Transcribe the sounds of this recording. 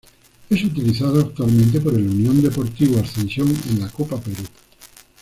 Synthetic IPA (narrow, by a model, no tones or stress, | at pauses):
esut̪iliθað̞oak̚t̪ualmẽnt̪̬ep̬oɾelunjõnd̪epoɾt̪iβoasθẽnsjoŋḛnlakopapeɾu